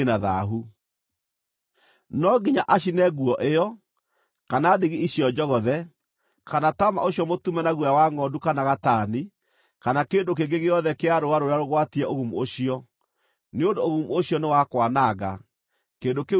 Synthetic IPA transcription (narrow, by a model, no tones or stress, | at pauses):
naða̰ɦu | nɔɡiɲaʔaɕ̬inɛɣuɔʔejɔ | kanadeɣiiɕiɔd͡ʒɔɣɔðɛ | kanatama̰ʔoɕjɔmotumɛnaɣwjawaŋɔdukanaɣataːni | kanakeːndok̬eɡeɣeɔðɛkeaɾoaɾoɾeaɾoɣwatiɛʔoɣumuoʃiɔ | neondooɣumuoɕiɔnewakwanaɣa | keːndoke